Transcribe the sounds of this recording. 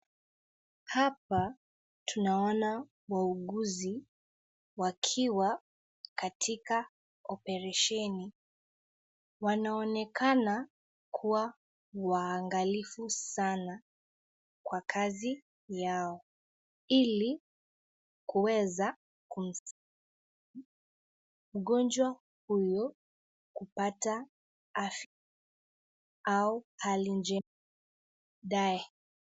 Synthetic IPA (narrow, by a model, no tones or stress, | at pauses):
hapa | tʰunaɔna | wauɠuzi | wakʰiwa | katʰika | ɔpɛɾaʃɛni | wanaɔnɛkʰana | kʰuwa | waːŋɡalifusana | kwakʰazi | jaɔ | ili | kuwɛza | kum̩s | m̩ɠɔnd͡ʒwa | hujɔ | kupata | af | auhalind͡ʒɛ | ɗaɛ